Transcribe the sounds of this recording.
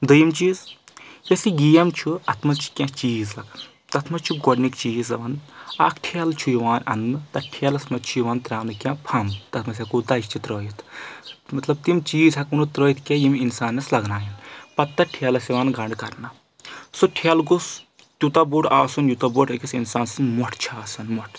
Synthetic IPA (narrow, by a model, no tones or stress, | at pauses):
d̪ɨjimt͡ʃiːz | jɐsiɡijɐmt͡ʃʰuɐt̪ʰmɐt͡ʃʰu̥kʲãt͡ʃiːzɐk | t̪ɐt̪ʰmɐt͡ʃʰuɡɔɽnikt͡ʃiːzɐʋɐnɐkʰʈʰelt͡ʃʰujiʋaːnɐ̰nnɨt̪ɐʈʰeːlɐsmɐt͡ʃʰujiʋaːnt̪ɾaːmnɨkʲãpʰɐmt̪ɐt̪ʰmɐsʲɐkut̪ɐt͡ʃt͡ʃʰit̪ɾoːjit̪ʰmɐt̪lɐb̚t̪imt͡ʃiːzɦɐkunut̪ɾoːjit̪ʰkʲejiminsaːnːɐslɐɡnaːjɐnpɐt̪ːɐʈʰelɐsiʋaːnɡɐɳɖkɐɾnɐ | suʈʰelɡus | t̪ʲut̪ɐbuːʈʰaːsunjut̪ɐbuʈʰɐkʲisinsaːnsɨnmɔʈʰt͡ʃʰaːsɐnmɔʈʰ